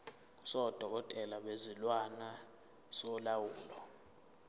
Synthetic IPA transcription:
sɔd̥ʱɔk̬ɔtʼɛlaɓezilwana | sɔlawuːlɔ

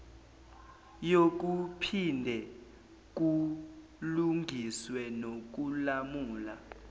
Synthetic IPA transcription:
jok̬upʰindʱɛ | k̬u | luŋʱiswɛnok̬ulamuːla

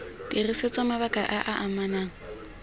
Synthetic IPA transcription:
d̥iriset͡sʼɔmaβakʼaʔaʔaʔamanaːŋ̩

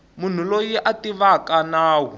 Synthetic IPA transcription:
mun̤ulojiʔatiβakanaːwu

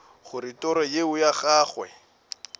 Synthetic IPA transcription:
χʊɾɪtɔɾɔjeʊjaχaːχwɛ̰

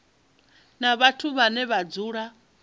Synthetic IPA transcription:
naβatʰuβanɛβad͡zuːɺa

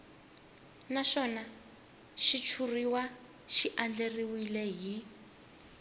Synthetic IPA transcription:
naʃɔna | ʃit͡ʃʰuriwa | ʃiʔand͡ɮeriwilɛɦi

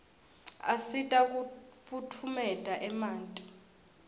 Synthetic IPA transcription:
a̰sitʼak̬ufutʰumɛtʼaʔɛmaːntʼi̥

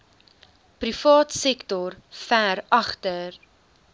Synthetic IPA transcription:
pɾifɑːtsɛktɔrfæɾɐχtər

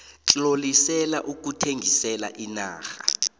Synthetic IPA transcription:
t͡ɬʼlolisɛlaʔuk̬utʰeŋɡʱisɛla̰ʔina̰ːxa

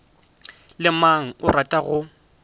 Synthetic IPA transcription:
lɪmaŋ̩ʊratʼaɣʊ

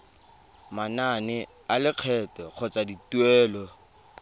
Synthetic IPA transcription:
mananɪ | alɪq͡χʰɛtɔk͡xʰɔt͡sadituɛːlɔ

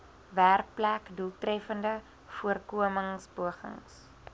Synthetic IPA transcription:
værk̚plækdulˠtrɛfəndə | fuərkuəməŋsbuəχə̰ŋs

